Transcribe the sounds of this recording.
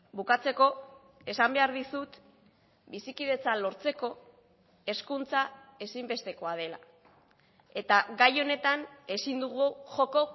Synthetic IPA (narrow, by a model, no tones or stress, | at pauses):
bukat͡se̞ko̞ | e̞sambe̞aɾðisut̪ | bisikið̞e̞t͡salo̞ɾt͡se̞ko̞ | e̞skunt͡sae̞simbe̞st̪e̞ko̞að̞e̞la̰ | e̞t̪aɡajo̞ne̞t̪ane̞sind̪uɣuʝo̞ko̞